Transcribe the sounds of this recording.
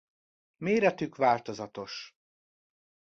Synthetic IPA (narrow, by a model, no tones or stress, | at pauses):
meːɾɛt̪ykʋaːlt̪o̞zɒt̪o̞ʃ